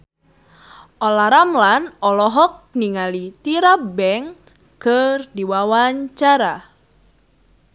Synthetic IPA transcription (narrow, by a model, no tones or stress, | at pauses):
ʔɔlaɾamlanɔlɔɦɔk̚niŋalit̪iɾabɛŋ | kɨrdiwawaɲt͡ʃaɾa